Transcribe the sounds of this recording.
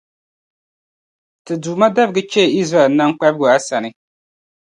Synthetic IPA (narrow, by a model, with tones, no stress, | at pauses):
tɨ˨duː˨ma˦da˦bɨ˨ɡɨ˦t͡ʃɛ˦˨i˦zɾa˨ɛ˨lna˦ŋ˦k͡pɛ˦bɪ˦ɡʊ˨a˦sa˨nɨ˦